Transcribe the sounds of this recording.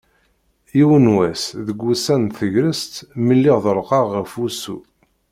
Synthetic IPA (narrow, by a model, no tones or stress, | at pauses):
iwənwæsðəɡʷːusænθəʝɾəst̪məlːiʁðəɾˤqɑʁːəfusṵ